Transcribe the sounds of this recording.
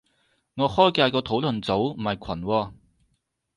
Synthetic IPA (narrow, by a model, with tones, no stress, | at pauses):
ŋɔː˨˧hɔː˥jkaː˧jkɔː˧t̪ʰo˨˥wlɵ˨nt͡so˨˥wm̩˨˩ɐ˨jkʷʰɐ˨˩nwɔː˧